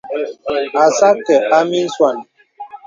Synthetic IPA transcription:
a˨sa˦tɛ˨ʔa˦mi˦n̩˦swa˦˨n˨

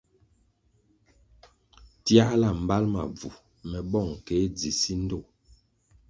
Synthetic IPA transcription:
tja˦la˨m̩˨ba˦lma˨b͡vu˨ | mɛ˨bɔ˦˨ŋ˨ke˨˦d͡zi˨si˦n̩˦do˦˨

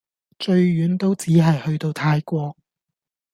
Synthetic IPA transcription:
t͡ʃɵ˧ɥɥyː˨˥nt̪o˥wt͡siː˨˥ɦɐ˨jhɵ˧ɥt̪o˧wt̪ʰaː˧jkʷɔː˧k̚

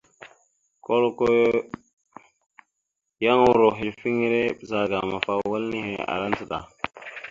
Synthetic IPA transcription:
ko˦lko˦j | ja˦ŋwu˦˨ɾo˨ɦi˨lfi˦ŋ˦ɾe˦˨za˨ɡa˨ma˨fa˨wa˦lni˦he˨a̰˨ɾa˦nsə˦˨ɗa̰˨

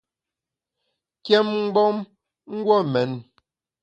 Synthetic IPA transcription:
kjɛ˦mŋ̩˦ɡ͡bɔ˦m | ŋ̩˦ɡwɔ˦˨mɛ˨˦n

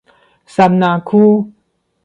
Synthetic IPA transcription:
sa˨˧˦mnaː˧˨kʰuː˦˥˨

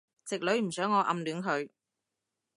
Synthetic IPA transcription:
t͡sɪ˨k̚lɵ˨˥ɥm̩˨˩sœː˨˥ŋːɔː˨˧ʔɐ̰˧mlyː˨˥nɦɵ˨˧ɥ

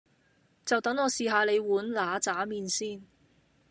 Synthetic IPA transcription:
t͡sɐ˨wt̪ɐ˨˥ŋɔː˨˧siː˨ɦaː˧le˨˧jwuː˨˥nlaː˨˧t͡saː˨˥miː˨nsiː˥n

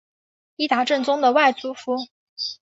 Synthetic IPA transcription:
i˥t̪a˧˥ʈ͡ʂə˥˩nt͡sʊ˥ŋd̪ə˨wa˥˩ɪt͡su˥fu˥

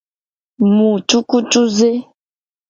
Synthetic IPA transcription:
mũ˨tu˦ku˦tu˦ze˦

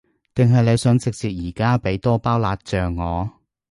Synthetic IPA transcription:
t̪ɪ˨ŋɦɐ˨jne˨˧jsɵ˨˧nt͡sɪ˨k̚t͡siː˨t̚jiː˨˩kaː˥pe˨˥jt̪ɔː˥paː˥wlaː˧t̚t͡ʃœː˨ŋːɔː˨˧

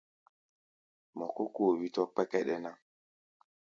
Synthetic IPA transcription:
mɔ˨ko˦ko˦˨wi˦tɔ˦k͡pɛ˦kɛ˦ɗɛ˦na˦

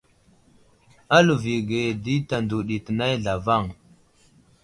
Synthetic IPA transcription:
a˦lu˨vi˨ɡe˨di˦ta˨ndu˨ɗi˨tə˨na˦jɮa˨va˦˨ŋ

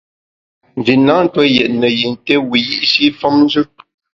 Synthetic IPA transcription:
n˨d͡ʒi˨nːa˦n̩˦twɔ˦jɛ˨ʔ̚nə˨ji˨n˨te˦wi˨ji˦ʔsi˦fɔ˦mn˦zʉ˦

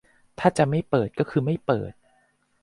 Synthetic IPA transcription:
t̪ʰaː˥˩t͡ɕa˨˩ma˥˩jpɤː˨˩t̪̚kɔː˥˩kʰɯː˧ma˥˩jpɤ̰ː˨˩t̪̚

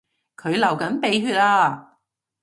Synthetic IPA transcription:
kʰɵ˨˧ɥlɐ˨˩wkɐ˨˥npe˨˧jɦyː˧t̚aː˧

